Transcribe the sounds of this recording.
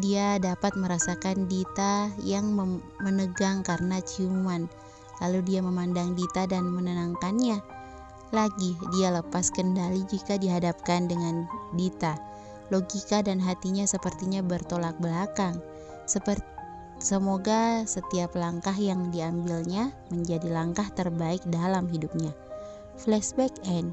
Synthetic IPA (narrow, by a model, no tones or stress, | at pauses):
diadapat̪̚məɾasakandit̪ajaŋmə | mənəɡaŋkaɾənat͡ʃuman | laludiaməmandaŋdit̪adanmənənaŋkanɲa | laɡidialəpaskəndalid͡ʒikadiɦadap̚kandəŋandit̪a | loɡikadanɦat̪iɲasəpərt̪iɲabərt̪olak̚bəlakaŋ | səpər | səmoɡasət̪iaplaŋkaɦjaŋdiambilɲaməɲd͡ʒadilaŋkaht̪ərbaɪk̚dalamɦidup̚ɲa | flɛsbɛkɛn